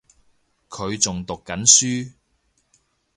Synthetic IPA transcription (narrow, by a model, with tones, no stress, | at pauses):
kʰɵ˨˧ɥt͡sʊ˨ŋt̪ʊ˨kːɐ˨˥nsyː˥